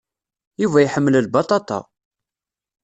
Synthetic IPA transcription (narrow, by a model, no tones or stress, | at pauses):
juvæjħəmːəllbɑt̪ˤɑt̪ˤɑ̰